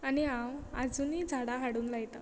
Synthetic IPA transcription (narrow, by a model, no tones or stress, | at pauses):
aniãwad͡zuniːd͡zʱaɽaɦaɽuːnlajt̪a